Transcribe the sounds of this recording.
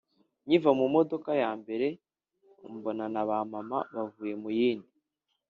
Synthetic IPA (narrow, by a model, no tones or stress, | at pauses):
ɲivamumo̞do̞kajaːmbe̞ɾe̞ | mbo̞nanaβamama̰βavuːje̞mujiːndi